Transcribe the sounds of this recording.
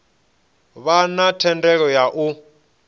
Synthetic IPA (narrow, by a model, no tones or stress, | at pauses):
βanatʰɛndɛk̬ɔjaʔu